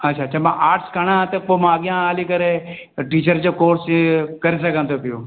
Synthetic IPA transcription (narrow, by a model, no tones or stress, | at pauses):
ətːʃʰaːt͡ʃʰamãʔaːʈskəɳ̃ãːt̪epomaːɡɪjãːaːlikəɾe | ʈiːt͡ʃəɾd͡ʒoːkoːɾskəɾis̬əkə̃nt̪op̪ɪjõː